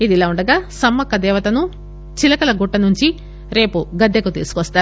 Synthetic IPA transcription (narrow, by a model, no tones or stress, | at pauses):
id̪ilaːuɳɖɐɡaːsɐmːɐkːɐd̪ɛːʋɐt̪ɐnu | t͡ʃilɐkɐlɐɡuʈːɐnuɲt͡ʃi | ɾe̞ːpuɡɐd̪ːekut̪ḭːsu̥kʋɐst̪aː